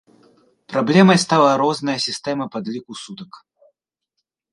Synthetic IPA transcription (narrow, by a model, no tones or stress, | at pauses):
pɾablʲɛmɐjst̪alˠɐɾɔznɐjɐsʲist̪ɛmɐpad̪lʲikusut̪ɐk